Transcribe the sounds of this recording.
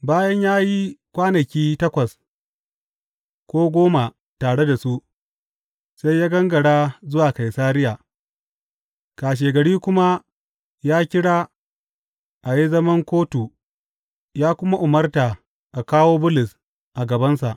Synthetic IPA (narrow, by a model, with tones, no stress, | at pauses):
baː˦jɐ˦ɲjaː˦ji˦kʷaː˦nɐ˨kʲiː˦tɐ˦kʷɐ˨s | kʷoː˦ɡʷoː˦ma˨ | taː˨ɽe˦da˨su˦ʔ | sa˦jjaː˦ɡɐ˦ŋɡɐ˨ɽaː˦zʊ˦waː˨ka˨jsaː˦ɾɪ˦jaː˨ | kaː˨ʃ̬eː˨ɡɐ˨ɽiː˦kʷʊ˦ma˦ | jaː˦kʲɪ˦ɽaː˦ | ʔa˨ji˦zɐ˦mɐ˦ŋkʷoː˦tu˨ | jaː˦kʷʊ˦ma˦ʔʊ˨mɐ˦rtaː˨ | ʔa˨kaː˦woː˦bʊ˦lʊ˨s | ʔa˨ɡɐ˨bɐ˦nsa˨ʔ